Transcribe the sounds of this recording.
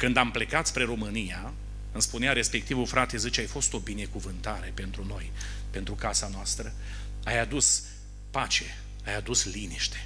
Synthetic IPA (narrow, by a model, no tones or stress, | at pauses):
kɨnd̪ample̞kat̪spɾeɾo̞mɨnija | ɨnspuneaɾe̞spe̞k̚t̪ivufɾat̪ezɨt͡ʃajfo̞st̪o̞bine̞kuvɨnt̪aɾe̞pe̞nt̪ɾuno̞j | pe̞nt̪ɾukasanoast̪ɾə | ajad̪us | pat͡ʃe̞ | ajad̪usliniʃt̪e̞̥